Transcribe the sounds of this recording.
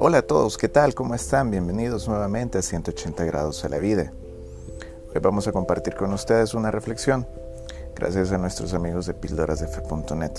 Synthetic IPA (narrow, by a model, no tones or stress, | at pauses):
o̞laːt̪o̞ðo̞ske̞t̪alko̞mo̞e̞st̪ambje̞mbe̞nið̞o̞znwe̞βamẽ̞nt̪easjent̪oot͡ʃe̞nt̪aɣɾa̰ð̞o̞salʔa̰βið̞e | ojβamosako̞mpaɾt̪iɾko̞nust̪e̞ðe̞sunarefle̞ksjo̞ŋ | ɡ̥ɾa̰sjas̬anwe̞st̪ɾo̞samiɣo̞zðe̞pild̪oɾʔazðefepunt̪one̞t̪